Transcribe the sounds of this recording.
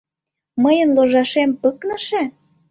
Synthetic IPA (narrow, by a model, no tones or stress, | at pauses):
məjənloʒɑʃempəknə̆ʃe